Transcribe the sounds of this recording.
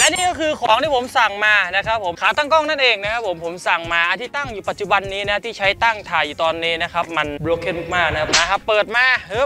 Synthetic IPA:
lɛ˦˥niː˥˩kɔː˥˩kʰɯː˧kʰɔː˩˦ŋt̪ʰiː˥˩pʰo˩˦msa˨˩ŋmaː˧na˦˥kʰa˦˥pʰːo˩˦mkʰaː˩˦wt̪aː˥˩ŋkɔː˥˩ŋna˥˩nʔeː˧ŋna˦˥kʰa˦˥pʰːo˩˦mpʰo˩˦msa˨˩ŋmaː˧ʔa˧nt̪ʰiː˥˩t̪a˥˩ŋjuː˨pa˨˩t̪̚t͡ɕu˨˩ba˧nːiː˦˥na˦˥˧t̪ʰiː˥˩t͡ɕʰa˦˥jt̪a˥˩ŋt̪ʰaː˨˩juː˨˩t̪ɔː˧nːiː˦˥na˦˥kʰa˦˥p̚ma˧nbɾoː˨˦˥kʰe˥˩muː˥˩maː˥˩k̚na˦kʰa˧˥p̚maː˧˩ɦa˧˩pːɤː˨˩t̪̚maː˧hɤː˦˥˩

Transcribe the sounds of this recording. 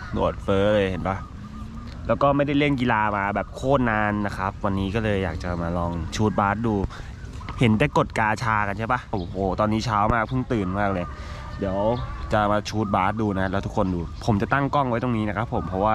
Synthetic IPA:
nṵ˨˩ət̪̚fɤː˦˥lɤː˧jhe˨˩˦nba˦˥˩ | lɛː˦˥wkɔː˥˩ma˥˩jda˥˩jle˥˩nki˧laː˧maː˧bɛː˨˩p̚kʰoː˥˩t̪̚naː˧nːa˦˥kʰa˦˥p̚wa˧nːiː˦˥kɔː˥˩lɤː˧jːaː˨˩k̚t͡ɕa˨˩maː˧lɔː˧ŋt͡ɕʰuː˦˥t̪̚baː˦˥t̪̚duː˧ | he˩˦ndaː˥˩jko˨˩t̪̚kaː˧t͡ɕʰaː˧ka˧nt͡ɕʰa˥˩ba˦˥˧hoː˨˩t̪ɔː˧nːiː˦˥t͡ɕʰaː˦˥wmaː˥˩k̚pʰɯ˥˩ŋt̪ɯː˨˩nmaː˥˩k̚lɤː˧j | di˩˦əwt͡ɕa˨˩maː˧t͡ɕʰuː˦˥t̪̚baː˦˥t̪̚duː˧na˦˥lɛː˦˥t̪ʰkʰːo˧nduː˧pʰo˨˩˦mt͡ɕa˨˩t̪a˥˩ŋkɔ˥˩ŋwa˦˥jt̪o˧˩ŋniː˦˥na˦˥kʰa˦˥pʰːo˨˩˦mpʰɔ˦˥waː˥˩

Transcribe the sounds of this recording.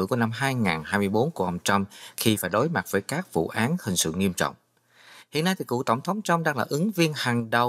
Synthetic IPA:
ku˧˩əna˧mɦaː˧jŋaː˨˩nhaː˧jmɨ˧əjɓo˨˦nku˧˩əʔə˧wŋ͡mt͡ɕa˧mxi˧faː˧˩jɗo˨˦jma˨˩t̚vəː˨˦jkaː˦˥k̚vṵ˧˨ʔaː˨˦nhï˨˩ŋ̟sɨ̰˧˨ŋi˧əmt͡ɕɔ̰˧˨wŋ͡m | hḭ˧ənːa˧jt̪ʰi˨˩kṵ˧˨t̪ə˧˩wŋ͡mt̪ʰə˨˦wŋ͡mt͡ɕa˧mɗaː˧ŋlaː˨˩ʔɨ˨˦ŋvi˧ənhaː˨˩ŋɗə˨˩w

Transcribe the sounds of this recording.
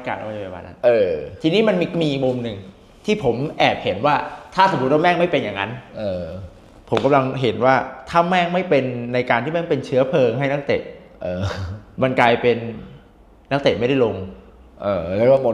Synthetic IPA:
kaː˨˩la̰˦˩˥pa˨˩ba̰ː˧˩na̰˦˥nʔɤː˧t̪ʰiː˧niː˦˥ma˧ni˧miː˧mu˧mnɯ˧ŋ | t̪ʰiː˥˩pʰo˩˦mʔɛː˨˩p̚he˩˦nwaː˥˩t̪ʰaː˥˩so˨˦bu˦˩t̪̚wa˥˩mɛː˥˩ŋma˥˩jpe˧nja˨˩ŋːa˦˥nʔɤː˧ | pʰo˩˦mka˧mla˧ŋɦe˩˦nwaː˥˩t̪ʰaː˥˩mɛː˥˩ŋma˥˩jpe˧nːa˧jkaː˧nt̪ʰi˥˩ma˥˩pe˧nt͡ɕʰɯ˦˥ɐpʰɤː˧ŋɦa˥˩jna˦˥k̚t̪ḛ˨˩t̪̚ | ʔɤː˧ma˧nklaː˧jpe˧nː | a˦˥k̚t̪e˨˩ma˥˩jda˥˩jlo˧ŋ | ʔɤː˧˩lɛ˦˥wa˥˩mo˧

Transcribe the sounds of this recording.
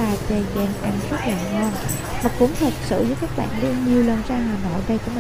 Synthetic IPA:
aː˨˩t͡ɕe˨˩zɛ̰˧˩nʔa˧ŋzə˦˥t̚laː˨˩ŋɔ˧˩n | maː˨˩kʊ̰˧˥ŋ͡mt̪ʰə˨˩t̚sɨ̰˧˨zəː˨˦jkaː˦˥k̚ɓa̰ː˧˨nɗe˧ɲi˨˩əwlə˨˩nzaː˧ɦaː˨˩no̰˧˨jɗə˧jku˧˦m˨˩

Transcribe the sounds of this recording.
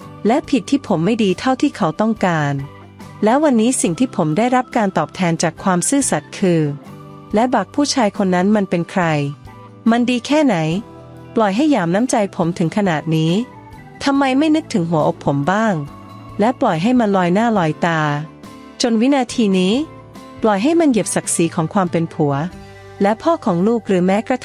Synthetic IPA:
lɛ˦˥pʰi˨˩t̪ʰːiː˥˩pʰo˩˦mːa˥˩jdiː˧t̪ʰa˥˩wt̪ʰiː˥˩kʰa˦˥wt̪ɔ˥˩ŋkaː˧n | lɛː˦˥wa˧nːiː˦˥si˨˩ŋt̪ʰiː˥˩pʰo˩˦mdaː˥˩jɾa˦˥p̚kaː˧nt̪ɔː˨˩p̚t̪ʰɛː˧nt͡ɕaː˨˩kʰwaː˧msɯː˥˩sa˨˩t̪̚kʰɯː˧ | lɛ˦˥baː˨˩k̚pʰuː˥˩t͡ɕʰaː˧jkʰo˧nːa˦˥nma˧npe˧nkʰɾa˧j | ma˧ndiː˧kʰɛː˥˩na˩˦j | plɔ˨˩jɦa˥˩jːaː˨˩mna˦˥mt͡ɕa˧jpʰo˩˦mt̪ʰɯ˨˩˦ŋkʰa˧naː˨˩t̪̚niː˦˥ | t̪ʰa˧mːa˧jma˥˩jnɯ˦˥k̚t̪ʰɯ˩˦ŋɦu˩˦ɐʔo˨˩k̚pʰo˩˦mbaː˥˩ŋ | lɛ˦˥plɔ˨˩jɦa˥˩jma˧nlɔː˧jnaː˥˩lɔː˧jt̪aː˧ | t͡ɕo˧nwi˦˥naː˧t̪ʰiː˧niː˦˥ | plɔ˨˩jɦa˥˩jma˧nje˨˩p̚sa˨˩k̚siː˩˦kʰɔː˩˦ŋkʰwaː˧mpe˧npʰu˩˦ɐ | lɛ˦˥pʰɔː˥˩kʰɔː˩˦ŋluː˥˩k̚ɾɯː˩˦mɛː˦˥kɾa˧t̪ʰ

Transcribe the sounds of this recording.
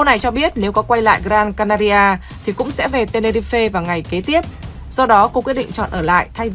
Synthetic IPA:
ko˧na˨˩jt͡ɕɔ˧ɓi˦˥ət̚ne˨˦wkɔ˨˦kwa˧jla̰ː˧˨jɣɾaː˧nkaː˧naː˧ɾi˧ʔaː˧ | t̪ʰi˨˩kʊ̰˧˥ŋ͡msɛ̰˧˥ve˨˩t̪e˧ne˧ɾi˧fe˧vaː˨˩wŋa˨˩jke˨˦t̪i˦˥əp̚ | z̥ɔ˧ɗɔ˨˦ko˧kwi˦˥əɗḭ˧˨ŋt͡ɕɔ̰˧˨nʔəː˧˩la̰ː˧˨jt̪ʰa˧j

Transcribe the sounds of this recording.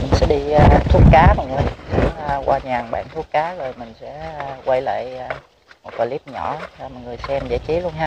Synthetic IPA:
mï̟˨˩sɛ̰˧˥ɗi˧˨t̪ʰu˦˥k̚kaː˨˦ma˨˩lə˧˨˦ | kwʔa̰ː˧ɲaː˨˩ŋɓa̰ː˧˨nt̪ʰu˦˥k̚kaː˨˦zo˨˩jmï˨˩ŋ̟sɛ̰˧˥kwa˧jla̰ː˧˨jː | mo˨˩t̚kɔ˧˩li˦˥p̚ɲɔ̰˧˩a˨˩mɔ̰˨jŋɨ˨˩əjsɛ˧mzə̰ː˧˥t͡ɕi˨˦lu˧ənɦaː˧˦

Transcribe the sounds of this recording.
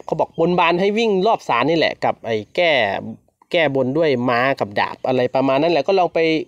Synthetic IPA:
kʰa˨˦wbɔː˨˩k̚bo˧nbaː˧nɦa˥˩jwi˥˩ŋlɔː˥˩p̚saː˨˦nːiː˧˥˩lɛ̰˨˩ka˨˩p̚ʔaː˨˩jkɛː˥˩ | kɛː˥˩bo˧ndu˥˩əjmaː˧ka˨˩p̚da̰ː˨˩p̚ʔa˧ɾa˧jpa˧maː˧nːa˦˥nlɛ˧˩kɔː˥˩lɔː˧ŋpa˧j

